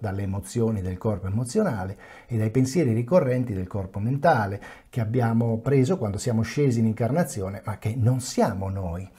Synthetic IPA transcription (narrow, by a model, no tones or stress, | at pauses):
d̪alːeːmot̪sːjoːnid̪elkɔrpoemot̪sːjonaːle | ed̪ajpensjɛːɾiɾikorːɛnt̪id̪elkɔrpoment̪aːlek̟eabːjaːmopɾeːzokwand̪osjaːmoʃeːziːniŋkarnat̪sːjoːnemakːenonsjaːmonoːj